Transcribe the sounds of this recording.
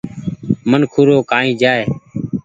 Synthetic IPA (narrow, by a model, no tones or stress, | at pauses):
mənkʰʊɾoːkaːĩːd͡ʒaːeː